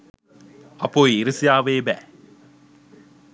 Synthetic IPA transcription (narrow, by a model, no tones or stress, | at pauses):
ɐpːoːjɪɾɯsɪjaːʋeːbɛ